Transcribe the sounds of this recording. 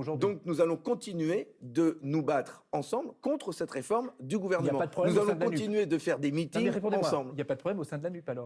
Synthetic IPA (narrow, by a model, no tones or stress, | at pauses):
oʒuʁd̪ɔ̃k̚nuzalɔ̃kɔ̃t̪inɥed̪ənubat̪χɑ̃sɑ̃blkɔ̃t̪χəsɛt̪ʁefɔʁmd̪yɡuvɛʁnəamɑ̃ad̪əɔnuzalɔ̃d̪ɔ̃t̪inɥed̪əfɛʁd̪emit̪ĩŋʁepɔ̃d̪ɑ̃sɑ̃bliljapad̪əpχɔblɛmosɛ̃d̪əlanɥipalɔʁ